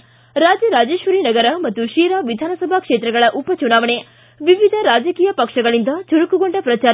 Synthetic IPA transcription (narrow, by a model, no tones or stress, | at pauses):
ɾaːd͡ʒjɐɾaːd͡ʒeːʃʋɐɾinɐɡɐɾɐmɐt̪ːuʃiːɾaːʋid̪ʱaːnɐsɐbʱɐkʂeːt̪ɾɐɡɐɭɐʔupɐt͡ʃunaːʋɐɳe | ʋiʋid̪ʱɐɾaːd͡ʒɐkiːjɐpɐkʂɐɡɐɭind̪ɐt͡ʃuɾukuɡoɳɖɐpɾɐt͡ʃaː